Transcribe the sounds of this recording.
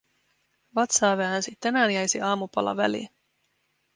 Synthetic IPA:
ʋɑt̪sɑːʋæænsit̪ːænæːnjæjsiɑːmupɑ̰lɑ̰ʋæ̰lḭ

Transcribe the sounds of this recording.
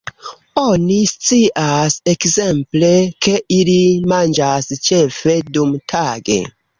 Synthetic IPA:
o̞nist͡siʔasekze̞mpleke̞ʔilimand͡ʒast͡ʃefe̞dumtʰaɡe̞̰

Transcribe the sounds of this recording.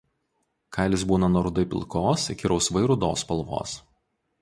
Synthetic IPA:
kʰɐˑɪlʲɪs̬buːnɐnɔɾʊd̪ɐɪpʲɪ̰lˠˑkoːskʲɪɾɐʊsʋɐɪɾʊd̪oːspɐlˠʋo̰ːs

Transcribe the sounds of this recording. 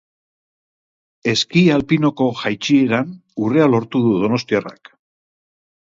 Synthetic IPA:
e̞skialpino̞ko̞ʝajt͡ʃie̞ɾanure̞alo̞ɾt̪uðuðo̞no̞st̪iara̰k

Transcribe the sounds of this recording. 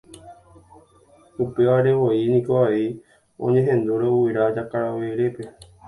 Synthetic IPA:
upeaɾeʋoinĩkoai | õ̰ɲẽɦẽnd̪oɾeuiɾad͡ʒakaɾaʋeɾepe

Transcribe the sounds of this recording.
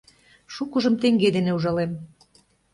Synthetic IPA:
ʃukɤ̆ʒɤ̆mt̪eŋɡed̪eneuʒɑlem

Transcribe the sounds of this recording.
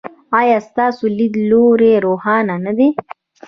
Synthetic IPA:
ɑjɑst̪ɑsolid̪loɾeɾohɑnanad̪e

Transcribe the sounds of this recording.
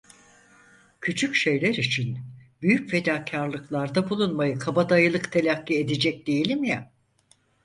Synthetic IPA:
cʰyt͡ʃʰycʃe̞jlʲæɾit͡ʃʰinbyjycfe̞d̪aːcʰaɾlˠɯklˠaɾd̪abulˠunmajɯkʰabad̪ajɯlˠɯkt̪ʰe̞lʲacːied̪ed͡ʒɛc̚d̪e̞jilʲimja

